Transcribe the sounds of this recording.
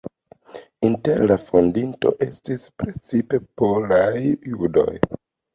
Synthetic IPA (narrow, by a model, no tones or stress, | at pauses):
inte̞ɾlafondinto̞̰ʔe̞stispɾet͡sipe̞polajjudo̞̰j